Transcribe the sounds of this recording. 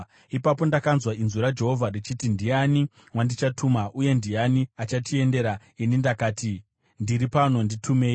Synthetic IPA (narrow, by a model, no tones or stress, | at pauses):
ipapo̞ndakanzwainzuɾad͡ʒe̞ɦo̞vʱarit͡ʃitindiani | wandit͡ʃatʰumaʔuje̞ndijaniat͡ʃatie̞nde̞ɾa | inindakaːti | ndiɾipano̞nditʰume̞ːi